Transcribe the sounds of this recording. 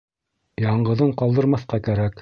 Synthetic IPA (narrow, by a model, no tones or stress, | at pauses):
jɑɴɢɤ̆ðɤɴqɑlˠd̪ɤ̆ɾmɑθqɑkæɾæk